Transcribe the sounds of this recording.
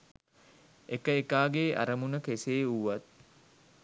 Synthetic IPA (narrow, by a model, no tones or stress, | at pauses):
ʔekəekaːɡeːʔɐ̰ɾɐmunɐkeseːuwːɐt̪̚